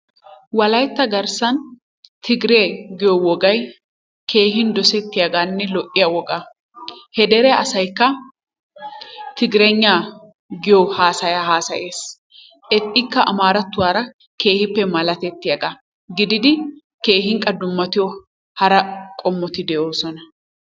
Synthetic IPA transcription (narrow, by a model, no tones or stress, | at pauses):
wɐlɐjt̪ːɐɡɐɾsɐn | t̪ʰɪɡɪɾe̞ːɡɪjɔwɔɡɐj | kʰe̞ːhɪnd̪ɔsɛt̪ːɪjɐɡanːɛlɔʔːɪjɐwɔɡa | hɛd̪ɛɾɛɐsɐjkːɐ | t̪ɪɡɪɾɛɲːaː | ɡɪjohaːsɐjahaːsɐje̞ːs | ʔɛt̪ʼːɪkːɐʔɐ̰maːɾɐt̪ːʊwaːɾɐ | ke̞ːhɪpːɛmɐlɐt̪ɛt̪ːɪjɐɡa | ɡɪd̪ɪd̪ɪ | ke̞ːhɪŋkʼːɐd̪ʊmːɐt̪ɪjɔ | hɐɾɐkʼɔmːɔt̪ɪd̪ɛʔoːsɔnɐ